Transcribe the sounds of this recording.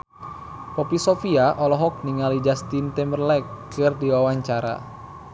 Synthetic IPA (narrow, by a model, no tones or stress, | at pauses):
pɔpisofiaʔɔlɔɦɔk̚niŋalid͡ʒast̪int̪ɛmbərlɛkːɨrdiwawaɲt͡ʃaɾa̰